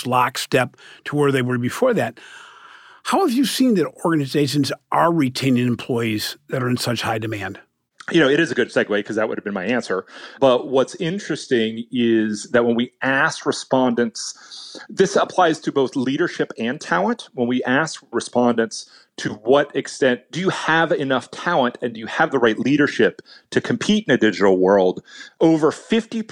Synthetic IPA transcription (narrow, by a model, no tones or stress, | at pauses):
slɑkstɛp̚tʰəwə˞ðeɪwə˞bɨfɔɹðæt̚ | haʊəvjɨsĩnðɨɾɔɹɡɨnɨzeɪʃɨ̃n̩zʔə˞ɹitʰẽɪ̃nɪ̃ŋɨ̃mpʰl̥ɔɪiz̥ðɨɾə˞ɨ̃nsʌt͡ʃhaɪdɨmæ̃nd̥ | jɨñoʊɨɾɨzɨɡʊd̥sɛd̚weɪkʰʌzðɨt̚wʊ̰ɾɨvbɨ̃nmaɪæ̃nsə˞b̥ʌt̚wʌtsɪ̃nt͡ʃɹ̥ɨstɪ̃ŋɪzðɨt̚wə̃nwiæskɹɨspɑ̃ndɨ̃ntsðɪsəpʰl̥aɪz̥tʰɨboʊθliɾə˞ʃɪpɨ̃ntʰælˠə̃nʔwə̃nwiʔæskɹɨspɑ̃ndɨ̃nts | tʰɨwʌɾɨkstɛ̃nt̚d̥ɨjɨəvɪnʌftʰælˠə̃ntɨ̃ndɨjɨəvðəɹaɪtˡliɾə˞ʃɪp̚tʰɨkʰm̩pʰiɾɨ̃n̩ɨdɪd͡ʒɨɾl̩ˠwɜ˞lˠdoʊvə˞fɪfti